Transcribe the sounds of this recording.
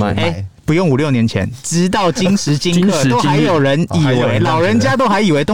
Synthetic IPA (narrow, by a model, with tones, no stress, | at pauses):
e˥˩ɪpu˧˦jo˥˩ŋu˨˩ljo˥˩njɛ˧˦nt͡ɕʰjɛ̰˧˦nʈ͡ʂɻ̩˥t̪̬ɑ˥˩ʊt͡ɕi˥nʂɻ̩˨˥t͡ɕi˥ŋk̪o˦˥a˨˦ɪjo˨˩ʊɻə˨˦ni˨˩we˧˦ɪlɑ˨˩ʊɻə˨˦nt͡ɕja˦˥t̪o˥ʊxa˧˦ɪi˨˩we˧˦ɪt̪ʊ˥˦